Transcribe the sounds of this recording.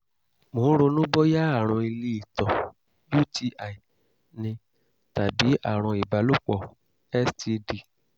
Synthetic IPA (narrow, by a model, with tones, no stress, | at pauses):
mõ˨˦ɾo˧nũ˦bɔ˦ja˦a˦˨ɾ̃ɔ̃˧i˧li˧˦i˨tɔ̃˨ | ju˦tʰi˦ʔa˨i˨ | nĩ˧ | ta˨bi˨˦a̰˦˨ɾ̃ɔ̃˧i˨ba˨˦lo˦k͡pɔ˦˨ | ɛ˦sti˧di˨